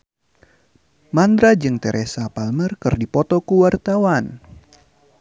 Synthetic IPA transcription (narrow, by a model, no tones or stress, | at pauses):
mand̪ɾad͡ʒɨŋt̪ɛɾʔesapalmərkɨrdipɔt̪ɔkuwart̪awan